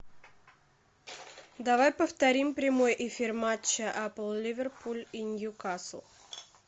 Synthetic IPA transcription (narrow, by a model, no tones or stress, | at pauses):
d̪ɐvajpəft̪ɐɾʲimpɾʲɪmo̞jʔɪfʲirmat͡ɕːəʔapəlˠlʲɪvʲɪrpʰulʲinʲjukaslˠ